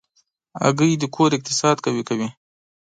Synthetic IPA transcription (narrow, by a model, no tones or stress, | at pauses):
a̰ɡəjd̪əkʰoɾɪk̚t̪ɪsɑd̪kawikawi